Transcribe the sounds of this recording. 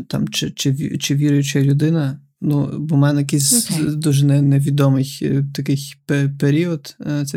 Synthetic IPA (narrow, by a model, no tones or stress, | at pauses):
t̪a̰mt͡ʃɪt͡ʃɪʋʲt͡ʃɪʋʲiɾʊjʊt͡ʃɛlʲʊd̪ɪnɐ | nubɔmɛnnɐjɐkɪjsʲd̪uʒɛnɛnɛʋʲid̪ɔmɪjt̪ɐkɪjpepeɾʲiɔd̪t̪sɛ